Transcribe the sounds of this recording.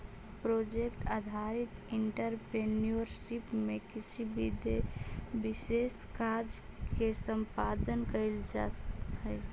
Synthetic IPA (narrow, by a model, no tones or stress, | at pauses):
pɾod͡ʒekʈad̪ʱaɾit̪iɳʈəɾpenioɾsipmekisʰibʱid̪ebiseskaɾd͡ʒ | kesəmpad̪ənkəɪld͡ʒaɦə